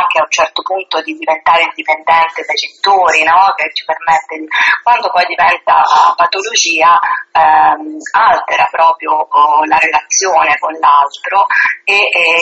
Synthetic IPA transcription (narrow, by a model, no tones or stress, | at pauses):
aŋk̟eaunt͡ʃɛrt̪opunt̪od̪id̪ivent̪aːɾeind̪ipend̪ɛnt̪ed̪ajt͡ʃet̪ːoːɾinɔk̟et͡ʃːi̥permɛt̪ːekwand̪opɔjd̪ivɛnt̪a̰pat̪olod͡ʒiːa | alt̪eɾapɾɔːpɾjolaɾelat̪sːjoːnekonlalt̪ɾoe